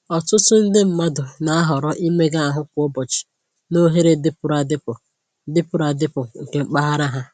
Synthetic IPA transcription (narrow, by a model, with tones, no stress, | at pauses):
ɔ˨tʊ˦sʊ˦n̩˦dɪ˦m̩˨˦ma˦dʊ˨na˨a˦ɦɔ˨ɾɔ˦ʔi˦me˦ɡa˦a˨ɦʊ˦kʷʊ˨˦ɔ˦bɔ˨t͡ʃɪ̥˨ | no˦ɦe˦ɾe˨dɪ˦pʊ˨ɾa˨dɪ˦pʊ˨ | dɪ˦pʊ˦ɾa˨dɪ˦pʊ˨ŋ̩˨ke˨ŋ͡m̩˦k͡pa˦ɦa˦ɾa˦ɦa˦